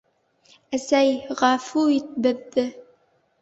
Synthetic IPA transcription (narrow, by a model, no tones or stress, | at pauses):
æsæjʁɑfuit̪̚bɘ̆ðːɘ